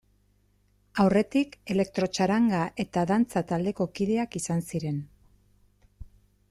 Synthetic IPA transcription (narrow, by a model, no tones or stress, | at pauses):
awre̞t̪ike̞le̞k̚t̪ɾo̞t͡ʃaɾaŋɡaʔe̞t̪aðant͡sat̪ald̪e̞ko̞kiðe̞akisansiɾe̞n